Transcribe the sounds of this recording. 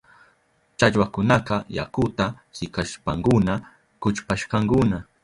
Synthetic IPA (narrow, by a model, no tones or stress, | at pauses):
t͡ʃaʎwakʊnaqɑja̰kʊt̪ahɪkaʃpaŋkʊna | kʊt͡ʃpaʃqɑŋkʊna